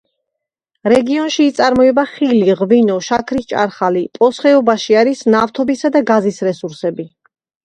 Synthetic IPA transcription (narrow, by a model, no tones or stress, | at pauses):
ɾɛɡiɔnʃiːt̪sʼaɾmɔɛbaχiliʁvinɔʃakʰɾit͡ʃʼa̰ɾχalipʼɔsχɛɔbaʃiaɾisnaft̪ʰɔbisad̪aɡazisɾɛsuɾsɛbi